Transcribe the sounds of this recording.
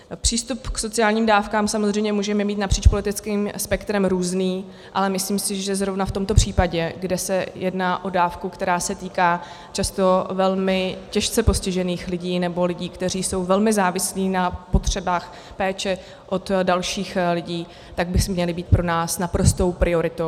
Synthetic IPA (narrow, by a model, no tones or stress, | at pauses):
pr̝̥iːst̪upkso̞t͡sɪaːlɲiːmdaːfkaːmsamozrɛjmɲɛmuːʒɛmɛmiːt̪napr̥iːt͡ʃpo̞lɪt̪ɪt͡skiːmspɛkt̪ɾɛmɾuːzniː | ʔalɛmɪsliːmsɪʒɛzɾo̞vnaft̪o̞mt̪opr̥iːpaɟɛɡdɛsɛjɛdnaːʔo̞daːfkukt̪ɛɾaːsɛt̪iːkaː | t͡ʃast̪o̞vɛlmɪcɛʃt͡sɛpo̞scɪʒɛniːxlɪɟiːnɛbo̞lɪɟiːkt̪ɛriːso̞wvɛlmɪzaːvɪsliːnapo̞t̪r̝̥ɛbaːx | pɛːt͡ʃɛ | ʔo̞t̪dalʃiːxlɪɟiː | t̪aɡ̚bɪsmɲɛlɪbiːt̪̚pɾo̞naːsnapɾo̞st̪o̞wpɾʔɪo̞ɾɪt̪ow